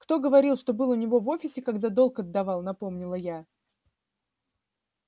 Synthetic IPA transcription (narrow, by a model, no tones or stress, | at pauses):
kt̪o̞ɡəvɐɾʲilˠʂt̪o̞bɨlˠʊnʲɪvo̞vo̞fʲɪsʲɪkɐɡd̪ad̪o̞lˠkɐd̪ːɐvɑlˠnɐpo̞mnʲɪlˠəja